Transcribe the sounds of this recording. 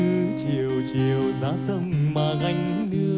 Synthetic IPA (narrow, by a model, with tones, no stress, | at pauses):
ɨ˨˧˦t͡ɕi˨˩əwt͡ɕi˨˩əwzaː˨˦sə˧mmaː˨˩ɣa˧jŋ̟˧˦ɗɨ˧